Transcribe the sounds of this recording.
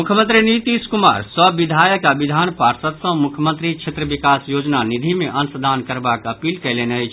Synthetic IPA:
mukʰjəmənt̪ɾinit̪iskuma̰ɾsəbːid̪ʱajəkabid̪ʱanpaɾsət̪sə̃mukʰjəmə̃nt̪ɾit͡ʃʰet̪ɾəbikasjod͡ʒnanid̪ʱimeʔənsəd̪ʱankəɾbakəpilkəjlenəjt͡ʃʰ

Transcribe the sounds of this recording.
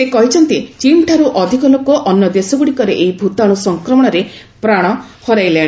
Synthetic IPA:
sekɔɦit͡ʃʰɔnt̪it͡ʃiɳʈʰaɾuʔɔd̪ʱikɔlokɔʔɔnjɔd̪esɔɡuɽikɔɾeʔeibʱut̪aɽ̃usɔŋkɾɔmɔɽ̃ɔɾe | pɾaɽ̃ɔhɔɾajlẽi

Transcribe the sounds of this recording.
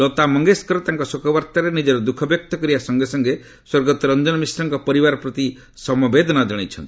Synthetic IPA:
lɔt̪amɔŋɡeskɔɾɔt̪aŋkɔsukɔbaɾt̪aɾenid͡ʒeɾɔd̪ukʰɔbjɔk̚t̪ɔkɔɾibasɔŋɡesɔŋɡe | swɔɾɡɔt̪ɔɾɔnd͡ʒɔnɔmisɾɔŋkɔpɔɾibaɾɔpɾɔt̪i | sɔmɔbed̪ʱɔnad͡ʒɔɽ̃it͡ʃʰɔnt̪i

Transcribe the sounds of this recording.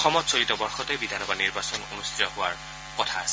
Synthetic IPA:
ɔxɔmɔtsoɹitɔbɔɹxɔtɛbidʱanɔbaniɹbasɔnonustʰiɔɦʊwaɹ | kɔtʰaasɛ

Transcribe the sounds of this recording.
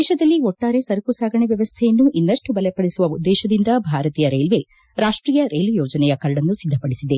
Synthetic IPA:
ʃɐd̪ɐlːiɔʈːaːɾe̞sɐɾkusaːɡɐɳeʋjɐʋɐst̪ʰɛjɐnːuʔinːɐʂʈubɐlɛpɐɽesuʋɐʋud̪ːɛːʃɐd̪ind̪ɐbʱaːɾɐt̪iːjɐɾejlʋe̞ | ɾaːʂʈɾiːjɐɾeːlujɔːd͡ʒɐnɛjɐkɐɾɖɐnːusid̪ʱːɐpɐɽisid̪e̞

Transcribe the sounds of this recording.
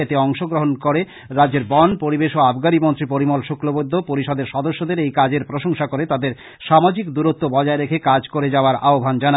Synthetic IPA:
et̪eɔŋʃoɡɾoɦonkoɾe | ɾadd͡ʑeɾbɔnpoɾibeʃoabɡaɾimont̪ɾipoɾimolʃokɾobod̪ʱːopoɾiʃɔd̪eɾʃɔd̪oʃːod̪eɾejkad͡ʑeɾpɾoʃoŋʃakoɾet̪ad̪eɾ | ʃamad͡ʑikd̪uɾot̪ːobɔd͡ʑaeɾekʰekad͡ʑkoɾed͡ʑaoaɾaobʱand͡ʑana

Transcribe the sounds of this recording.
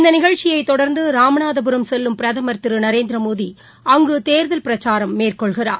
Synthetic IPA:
ɪnd̪ɐnɪɣɐɻt͡ʃːɪjɐɪt̪ːɔɽɐɾnd̪ɯɾaːmɐɳaːðɐbɯɾɐmsɛlːɯmpɪɾɐðɐmɐɾt̪ɪɾɯnɐɾeːnd̪ɾɐmoːði | ɐŋɡɯt̪eːɾðɐlpɪɾɐt͡ʃaːɾɐmːeːrkɔɭɣɪraːɾ

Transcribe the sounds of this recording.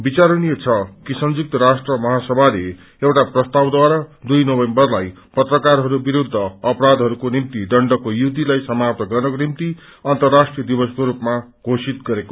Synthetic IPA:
bit͡saɾuniet͡sʰʌkisʌnd͡zuk̚t̪ʌɾasʈrʌmʌɦasʌbʱale | ewʈaprʌst̪awd̪waɾad̪ujnʌbʌjnbʌrlaj | pʌt̪rʌkaɾɦʌɾubiɾud̪ʱːʌːpɾad̪ʱɦʌɾukonimt̪iɖʌɳɖʌkojuɦud̪ilajsʌmap̚t̪ʌɡʌrnʌkonimt̪i | ʌnt̪ʌrːasʈrijʌd̪ibʌskoɾupma | ɡʱosit̪ɡʌɾeko̥

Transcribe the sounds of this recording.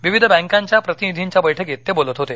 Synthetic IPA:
ʋiʋid̪ʱəbɛ̃ŋkãɲt͡ɕjapɾət̪inid̪ʱiɲt͡ɕjabəjʈʰəkjet̪̚t̪ːebolət̪ɦot̪e

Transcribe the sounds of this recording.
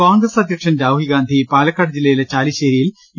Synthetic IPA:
aːŋɡɾrɐsɐd̪ʱjɐkʂɐnɾaːʋɦiɡaːnd̪ʱipaːlɐkːaːʈd͡ʑilːɐjilet͡ɕaːliɕeːɾijil

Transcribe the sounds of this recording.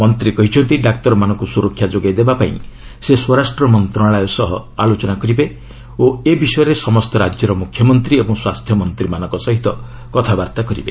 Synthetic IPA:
mɔnt̪ɾikɔɦit͡ʃʰɔnt̪iɖakt̪ɔɾɔmanɔ̃ŋkusuɾɔkʰːjad͡ʒoɡajd̪ebapaḭ̃ | seswɔɾasʈɾɔmɔnt̪ɾɔɽaɭajɔsɔɦɔalot͡ʃɔnakɔɾibe | oebisɔjɔɾesɔmɔst̪ɔɾad͡ʒjɔɾɔmukʰːjɔmɔnt̪ɾiebɔŋswast̪ʰjɔmɔnt̪ɾimanɔ̃ŋkɔsɔɦit̪ɔ | kɔt̪ʰabaɾt̪akɔɾḭbe

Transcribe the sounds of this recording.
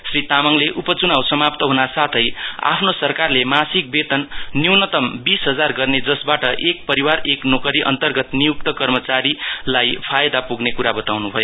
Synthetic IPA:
srit̪amʌŋleʔupʌt͡sunawsʌmap̚t̪ʌɦunasat̪ʰʌja̰pʰnosʌrkarlemasik̚bet̪ʌnːiwnʌt̪ʌmbisɦʌd͡zarɡʌrned͡zʌsbaʈʌʔek̚pʌɾiwareknokʌɾiʔʌ̰nt̪ʌrɡʌt̪nijuk̚t̪ʌkʌrmʌt͡saɾilajpʰajd̪apuɡnekuɾabʌt̪awnubʱʌjo

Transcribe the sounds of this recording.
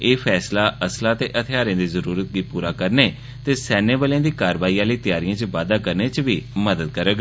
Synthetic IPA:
eːpʰɛːslaːəslaːt̪eːʔət̪ʰɪjaːɾẽːd̪iːzəɾuːɾət̪̚ɡiːpuːɾaːkəɾneː | t̪eːsɛːneːʋəlãːd̪iːkaːɾʋaːiːaːliːt̪ɪjaːɾijãːt͡ʃəʋaːd̪aːkəɾneːt͡ʃʋiːməd̪əd̪̚kəɾəɡ

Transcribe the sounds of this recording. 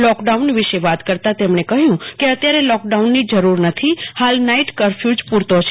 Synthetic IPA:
lɔkɖaunʋɪʃeʋat̪kəɾt̪at̪emɳekəɦjũkeət̪jaɾelɔk̚ɖaunːid͡ʒəɾuɾnət̪ʰihalnaiʈkəɾfʰjud͡ʒpuɾt̪ot͡ʃʰe

